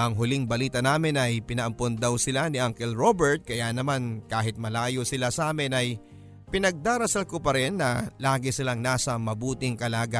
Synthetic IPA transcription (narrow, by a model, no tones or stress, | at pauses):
ʔɐŋɦʊliŋbɐliːt̪ɐnaːmɪnɐjpɪnɐʔɐmpond̪ɐwsɪlanɪʔaŋkɛlɹobɛɹt̪̚kɐjanɐmankaːɦɪt̪̚mɐlaːjo̞sɪlasaːmɪnɐj | pɪnɐɡ̚d̪aːɾɐsalkopɐɾɪnːɐlaːɡɪsɪlaŋnaːsɐmɐbuːt̪ɪŋkɐlaːɡa